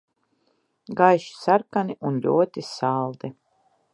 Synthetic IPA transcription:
ɡajʃi̥saɾkaniʔunlʲuɔt̪isalˠd̪ɛ

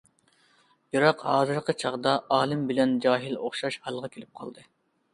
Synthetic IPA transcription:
bɨɾɑqhɑːzɨɾqʰət͡ʃʰɑʁd̪ɑʔɑːlˠɨmbɪlɛnd͡ʒɑːɦɪloχʃɑʃhɑlˠʁɑkʲʰelɪp̚qʰɑ̰lˠd̪ɨ

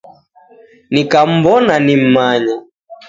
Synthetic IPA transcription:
nikam̩bɔnanim̩maɲa

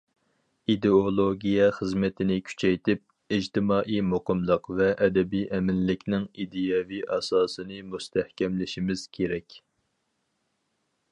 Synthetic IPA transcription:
id̪eolˠoɡʲijɛχəzmɛt̪ʰɪnɪkʲʰy̥t͡ʃʰɛjt̪ʰɪp̚ | id͡ʒt̪ʰɪmɑːʔijmoqəmlˠəqvɛʔɛd̪ɛbijʔɛmɪnːɪkʲnɪŋid̪ɪjɑviʔɑsɑːsɨnɨmust̪ʰɛhkʲɛmlɪʃimɪz̥kʲʰeɾɛkʲ

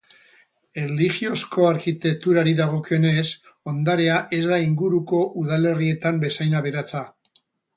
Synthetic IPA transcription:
elixio̞sko̞aɾkit̪e̞k̚t̪uɾaɾiðaɣ̞o̞kio̞ne̞s | o̞nd̪aɾe̞aʔe̞zd̪aiŋɡuɾuko̞ʔuðale̞rie̞t̪ambe̞sajnaβe̞ɾat͡sa

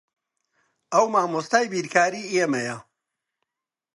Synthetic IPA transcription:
ɐwmaːmust̪aːjbiːɾkʰaːɾiːʔemɐjɐ

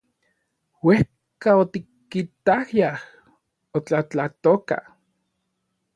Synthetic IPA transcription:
weh | kaot̪ikːit̪ahjah | ot͡ɬat͡ɬat̪oka̰

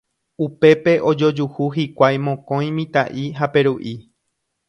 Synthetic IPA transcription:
upe̞pe̞ʔo̞d͡ʒo̞d͡ʒuhuɦikʷajmõ̞kõ̞j̃mĩt̪aʔiɦape̞ɾuʔi

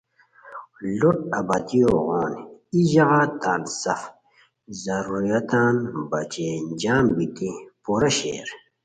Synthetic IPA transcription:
luʈɐbat̪ioɣoːniʑɐɣaːt̪aːlsɐf | zɐɾuɾijɐt̪aːnbɐt͡ɕeːnd͡ʑaːmbit̪ipuɾaɕḛːɾ

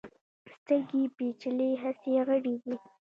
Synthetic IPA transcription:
st̪əɾɡipet͡ʃɪleɦaseɣəɽid̪i

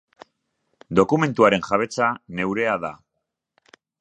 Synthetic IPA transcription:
d̪o̞kume̞nt̪uaɾe̞nʝaβe̞t͡sane̞wɾe̞aða

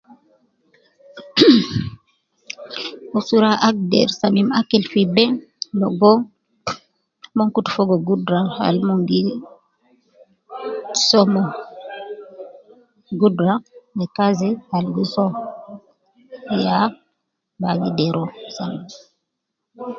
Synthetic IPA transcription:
usuɾaʔak̚dɛ̰ɾsamimakːɛlfibɛlɔɡɔ | mɔŋkutfɔɡɔɡudɾaha̰lmɔŋɡi | sɔmɔ | ɡudɾamɛkazɛhalɡɔsɔ | ja | baɡidɛɾʔɔsambi

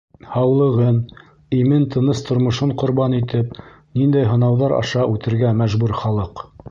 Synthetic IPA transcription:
hɑwlˠɤ̆ʁɤn | imɘnt̪ʰɤ̆nɤst̪ŏɾmŏʃoɴqŏɾbɑnit̪ɘpnind̪æjɦɤ̆nɑwðɑɾɑ̰ʃɑʔʉt̪ɘ̆ɾɡæmæʒbʉɾχɑlˠɤq

